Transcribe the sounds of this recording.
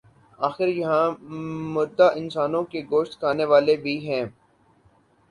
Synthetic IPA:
aːxɪɾjɐɦãmʊɾd̪aʔɪ̃nsaːnõkeɡoːʃt̪kaːneʋaːlebʱiɦɛ̃ː

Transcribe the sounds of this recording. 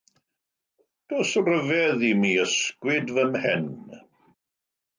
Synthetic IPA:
d̥oːsrəvɛðimiːəskwɪdvəmhɛn

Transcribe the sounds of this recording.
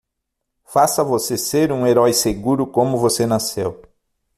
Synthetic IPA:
fasɐvoseseɾũeɾɔjseɡuɾʊkõmʊvosenasew

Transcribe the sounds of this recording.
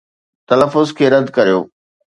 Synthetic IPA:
t̪ɐləfːʊzkʰeːɾɐd̪ʱkɐɾijoː

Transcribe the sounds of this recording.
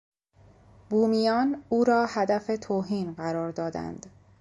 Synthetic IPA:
buːmijɒːnuːɾɒːhæd̪æfet̪ʰoːɦiːnɢæɾɒːɾd̪ɒːd̪æ̰nd̪̥

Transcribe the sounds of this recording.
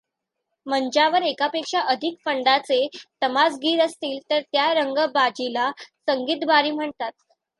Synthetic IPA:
məɲd͡ʑaʋəɾekapekʂaʔəd̪ʱikfəɳɖat͡set̪əmad͡zɡiːɾəst̪iːlt̪əɾt̪jaɾəŋɡəbad͡ʑilasəŋɡiːt̪baɾiːm̤əɳt̪at̪̚

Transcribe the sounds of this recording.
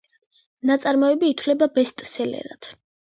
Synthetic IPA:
nat̪sʼaɾmɔɛbiːt̪ʰwlɛbabɛst̪ʼsɛlɛ̰ɾa̰t̪ʰ

